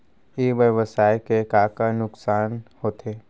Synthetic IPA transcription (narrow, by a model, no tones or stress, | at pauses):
eːʋəʋəsaːjkekaːkanʊksaːnhoːt̪ʰeː